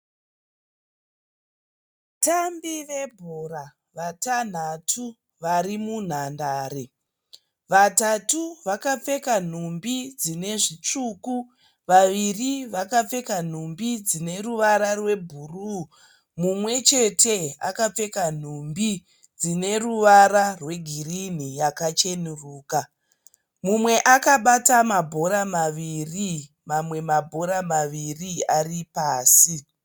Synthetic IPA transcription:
tambiʋe̞bʱoɾa | ʋatan̤atʰu | ʋaɾimun̤andaːɾe | ʋatatuʋakap͡fe̞kan̤umbid͡zine̞ʐit͡ʂuku | ʋaʋiriʋakap͡fe̞kan̤umbid͡zine̞ruʋaɾarwe̞bʱuruː | mumwe̞t͡ʃe̞tʰe̞a̰kap͡fe̞kan̤umbi | d͡zine̞ruʋaɾarwe̞ɡʱirin̤ijakat͡ʃe̞nuruːka | mumwe̞ʔakaɓatamabʱo̞ɾamaʋiri | mamwe̞mabʱo̞ɾamaʋiriaripaːsi

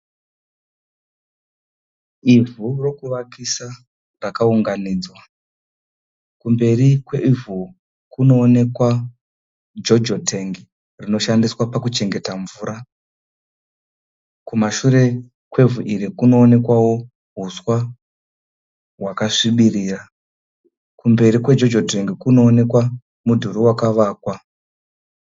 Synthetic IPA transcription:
ivuro̞kuʋakisa | rakauŋɡaniːd͡zwa | kumbe̞rikweʔivu | kuno̞ːne̞kwa | d͡ʒo̞d͡ʒotʰeŋɡi | rino̞ʃandiswapakut͡ʃe̞ŋɡe̞taɱvuːɾa | kumaʃuɾe̞ | kwe̞vuʔiɾikuno̞ːne̞kwawo̞ | ɦuswa | wakaʂiɓiriːra | kumbe̞ɾikwe̞d͡ʒo̞d͡ʒote̞ŋɡikuno̞ːne̞kwa | mudʱuɾuwakaʋaːkwa

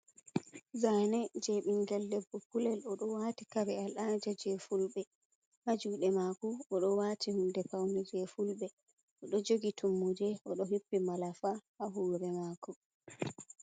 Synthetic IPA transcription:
zaːnɛd͡ʒɛɓiŋɡɛldɛbːɔpulɛlɔɗɔwaːtikabɛalad͡ʒad͡ʒɛfulɓɛ | had͡ʒuːɗɛmakɔɔɗɔwaːtʰihundɛpawnɛd͡ʒɛfulɓɛ | ʔɔɗɔd͡ʒoɡitʰumːud͡ʒɛɔɗɔɦipːimalafahaɦuːɾɛmaːkɔ

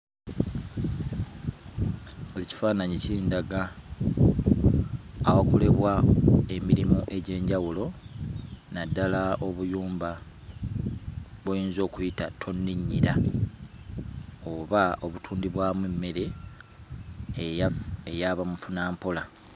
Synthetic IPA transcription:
olici̥faːnaɲiciːndaɡa | wakole̞βwae̞miɾimoʔe̞ɟe̞ːɲɟawulo̞ | nadːalaʔo̞βujuːmba | βujiːnzo̞ːkujitatʰo̞nːiɲːiɾa | oβao̞βutʰuːndiβwaːmwemːe̞ɾe̞ | ejaβamufunaːmpo̞la

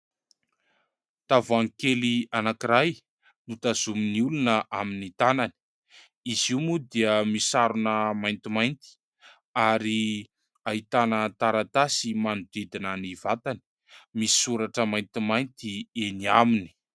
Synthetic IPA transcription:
t̪avaŋkelianakiɾaj | nut̪azuminiulunəʔaminit̪anani̥ | iziwmud̪iəmisaɾunəmajnt̪imajnt̪i̥ | aɾi | aɦit̪anət̪aɾat̪asimanud̪id̪inanivat̪ani̥ | misi̥suɾaʈ͡ʂəmajnt̪imajnt̪ieniamini̥

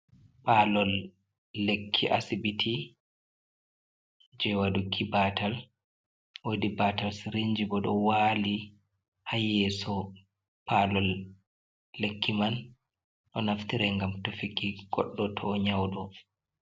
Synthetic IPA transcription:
palɔlː | ekʰːiʔa̰sibitʰi | d͡ʒɛwadukʰibatal | wodibatalsiɾiɲd͡ʒibɔɗɔwaːli | hajːɛsɔ | palɔlː | ekʰːiman | ɗɔnaftiɾɛŋɡamtofikiɡ̥ɔɗːɔtʰɔːɲawɗɔ

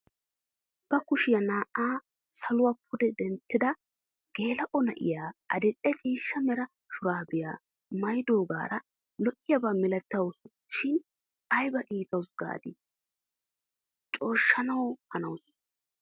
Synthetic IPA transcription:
b̥ɐkʊʃɪjɐnaːʔaː | sɐlʊwap̚ʰʊd̪ɛd̪ɛnt̪ːɪd̪ɐ | ɡ̥e̞ːlɐʔɔnɐ̰ʔɪ̰jaːʔɐd̪ɛᶑʼɛt͡ʃʼiːʃːɐmɛɾɐ | ʃʊɾaːbɪja̰ː | mɐjd̪o̞ːɡa̰ːɾɐ | lɔʔɪjɐbaːmɪlɛt̪ːɐwʊsʊ | ʃɪn | ɐjbɐkʼiːt̪ɐwsɡa̰ːd̪ɪ | t͡ʃʼo̞ːʃːɐnɐwhɐnɐwʊs

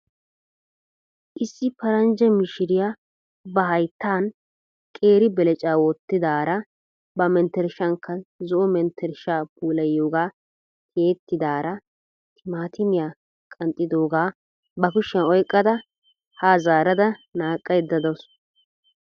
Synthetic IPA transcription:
ʔɪsːɪpɐɾɐnd͡ʒɛmɪʃɪɾɪja | bɐɦɐjt̪ːaːn | kʼe̞ːɾɪbɛlɛt͡ʃʼaːwɔt̪ːɪd̪aːɾɐ | bɐmɛnt̪ːɛɾʃɐŋkːɐzɔʔɔmɛnt̪ʰːɛɾʃaːpuːlɐjːoːɡaː | kʰeːt̪ːɪd̪aːɾɐ | t̪ʰɪmaːt̪ɪmɪja | kʼɐnt̪ʼːɪd̪oːɡaː | bɐkʊʃːɛnɔjkʼːɐd̪ɐ | haːzaːɾɐd̪ɐnaːkʼːɐjd̪ːɐd̪ɔs

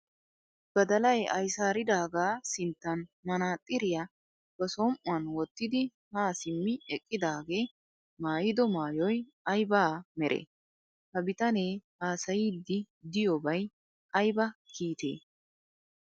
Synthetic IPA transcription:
ɡ̥ɐd̪ɐlɐjɐjsaːɾɪd̪aːɡaːsɪnt̪ːɐnmɐnaːt̪ʼːɪɾɪjɐ | b̥ɐsɔmʔʊɐnwɔt̪ːɪd̪ɪ | haːsɪmːɪɛkʼːɪd̪aːɡe̞ː | maːjɪd̪ɔmaːjɔj | ɐjbaːmɛɾʔḛː | hɐbɪt̪ɐneː | aːsɐjiːd̪ːɪ | d̪ɪjɔbɐj | ɐjbɐkiːt̪ḛː

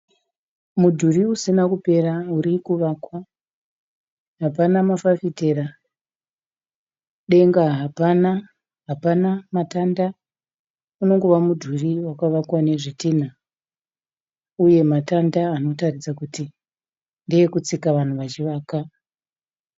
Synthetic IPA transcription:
mudʱuriusinakupe̞rauɾikuʋakwa | ɦapanamafafitera | ɗe̞ŋɡaɦapana | ɦapanamatanda | uno̞ŋɡo̞ʋamudʱuriwakaʋakwane̞ʐitiːna | uje̞matandaːno̞tarid͡zakuti | ndiekut͡sikaʋan̤uʋat͡ʃiʋaːka

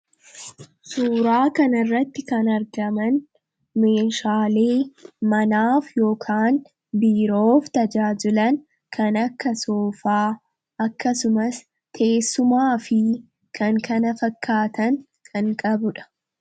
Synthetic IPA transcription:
suːɾaːkɐnɐrːɐt̪ːɪkɐnɐɾɡɐmɐn | me̞ːʃaːle̞ːmɐnaːfjo̞ːkʰaːn | biːɾo̞ːft̪ɐd͡ʒaːd͡ʒɪlɐn | kʰɐnɐkːɐsoːfaː | ɐkːɐsʊmɐs | k̪ʰe̞ːsːʊmaːfɪ | kʰɐŋkʰɐnɐfɐkʰːaːt̪ɐn | kʰɐŋkʼɐbʊᶑɐ̥

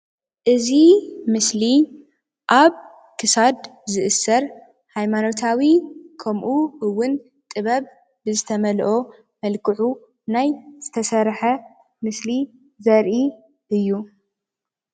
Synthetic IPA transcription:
ʔɨzimɨsli | ʔaβ | kʰɨsad̪zɨʔɨsːɐɾ | hajmano̞t̪ʰawikʰɐmʔuɨwːʊn | t̪ʼɨβɐβ | bɨzɨt̪ʰɐmɐlʔo̞ | mɐlkʰɨʕu | najz̥ɨt̪ʰɐsɐɾħɐ | mɨsli | zɐɾʔi | ʔɨjːu

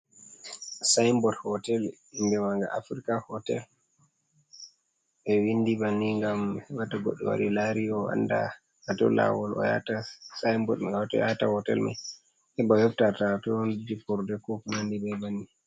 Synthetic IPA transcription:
sajmbɔdhɔtɛl | indɛmaŋɡa̰ʔafɾikahɔtɛ̰l | ɓɛwindibanːiŋɡamɛwataɡoɗːɛwa̰ɾilaɾiɔa̰nda̰ | atɔ̰la̰wɔlɔ̰ja̰tasajmbɔdɔtjatahɔtɛ̰lma̰ | hɛbajɔftatatɔndd͡ʒipɔɾdɛkɔknandibɛbanːi

